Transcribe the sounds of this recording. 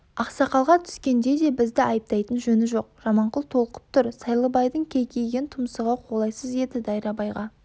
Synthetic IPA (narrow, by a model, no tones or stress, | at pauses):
ɑqsɑqɑlˠʁɑt̪ʰʏ̥skʲe̞nd̪e̞d̪e̞bɪzd̪ɪɑjəp̚t̪ɑjt̪ənʒɵnɪʒo̞q̚ʒ̥ɑmɑɴqəlˠt̪ʰo̞lˠəqə̥p̚t̪ʰʊɾsɑjlˠəbɑjd̪əɴkʲʰejkʲʰe̞jɡʲent̪ʰʊməsəʁɑqʰo̞lˠɑjsəze̞d̪ɪd̪ɑjɾɑbɑjʁɑ